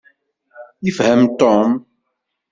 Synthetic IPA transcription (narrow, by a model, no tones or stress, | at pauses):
ifhəmt̪ɔm